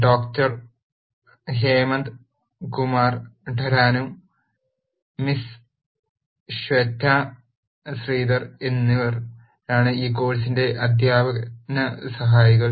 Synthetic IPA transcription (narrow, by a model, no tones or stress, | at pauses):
ɖoːktɐr | ɦeːmɐnd̪ | kumaːrɖʱɐɾaːnu | mis | ɕʋet̪ːaː | sriːd̪ɐrenːiʋɐr | aːɳɨiːko̞ːlisinde̞ʔɐd̪ʱjaːbɐnɐsɐɦaːjiɣɐɭ